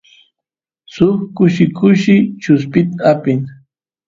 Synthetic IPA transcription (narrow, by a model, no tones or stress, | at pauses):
sʊχkʊʃɪkʊʃɪt͡ʃʊspɪt̪apɪŋ